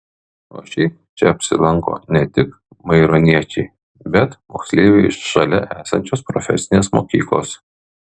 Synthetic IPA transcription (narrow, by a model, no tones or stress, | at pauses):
o̰ːʃʲɛɪ | t͡ʃʲɛɐpʲsʲɪ̰lˠɐŋko̰ːnʲɛt̪ʲɪk | mɐɪɾoːnʲiɛt͡ʃʲɛɪ | bʲɛt̪mo̰ːksʲlʲeːʋʲɛɪʃʃɐlʲɛʔæːsɐ̰nʲt͡ʃʲoːspɾɔfʲɛsʲɪnʲeːsmo̰ːkʲḭːklˠo̰ːs